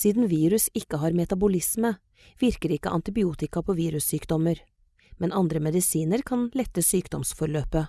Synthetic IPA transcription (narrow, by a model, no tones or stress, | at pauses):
siːd̪n̩ʋiːɾʉsɪkːəɦɑːɾmɛt̪ɑbʊlɪsmə | ʋɪɾkəɾɪkːəʔɑnt̪ɪbɪuːt̪ɪkɑpʰoːʋiːɾʉsyːkd̪ɔməɾ | mɛnɑnd̪ɾəmɛd̪ɪsiːnəɾkʰɑnlɛt̪ːəsyːkd̪ɔmsfɔɾɭøːpə